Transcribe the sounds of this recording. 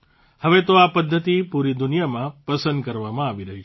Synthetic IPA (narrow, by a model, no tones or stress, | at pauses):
həʋet̪oapəd̪ʱːət̪ipuɾid̪unjamãpəsənd̪kəɾʋamãaʋiɾəɦit͡ʃʰe